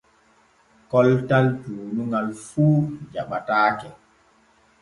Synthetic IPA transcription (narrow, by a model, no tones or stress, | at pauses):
kɔltaltuːnuŋɡalfuːd͡ʒaɓataːkɛ